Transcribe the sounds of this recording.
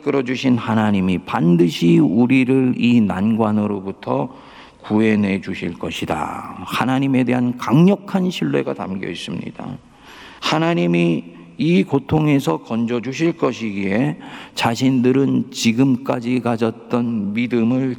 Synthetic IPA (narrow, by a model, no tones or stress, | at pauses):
k͈ɯɾʌd͡ʑuɕʰinhanaɲimipandɯɕʰiuɾiɾɯɾina̰nɡwanɯɾobutʰʌ | kue̞ne̞d͡ʑuɕʰiɭk͈ʌɕʰida̰hanaɲime̞de̞ɦankaŋɲʌkʰanɕʰiɭːe̞̰ɡata̰mɡjʌ̰is͈ɯmɲḭd̥a̰ | hanaɲimiː | kotʰoŋe̞sʰʌkʌnd͡ʑʌd͡ʑuɕ̬ʰiɭk͈ʌɕʰiɡie̞t͡ɕaɕʰindɯɾɯnt͡ɕiɡɯmk͈ad͡ʑikad͡ʑʌt̚t͈ʌnmidɯmɯɭ